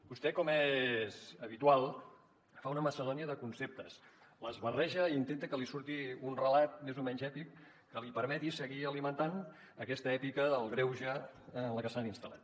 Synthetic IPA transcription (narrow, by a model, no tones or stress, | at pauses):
b̥ust̪ɛkɔmɛzəβit̪ualˠ | faunəməsəðɔniəðəkunsep̚t̪əs | ləzβərɛʒəint̪ent̪əkəlisuɾt̪iunrəlat̪̚mezomɛɲzɛpikː | əlipəɾmɛt̪isəɣiəlimənt̪an | əkɛst̪əɛpikəðəlˠɣɾɛwʒaələkəsaninst̪əlˠa̰t̪